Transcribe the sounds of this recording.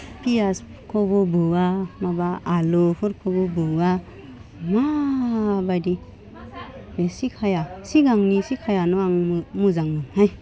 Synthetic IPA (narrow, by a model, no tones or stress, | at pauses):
pias | kʰɔbɔbuamabaːlopʰuɾkʰɔbɔbua | ma | bajdi | besikʰajasiɡaŋnisikʰajanɔaŋmuzaŋɯnhaj